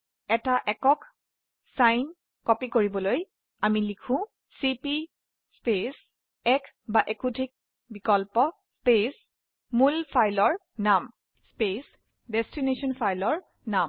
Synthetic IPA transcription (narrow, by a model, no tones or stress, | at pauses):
ɛtaʔɛkɔk | sajn | kɔpikoɹibɔloj | amilikʰʊ̃ | sipi | spes | ɛk | baʔekutʰik̚ | bikɔlpɔ | spes | mulpʰajlɔɹ | nam | spes | destinesɔnpʰajlɔɹ | nam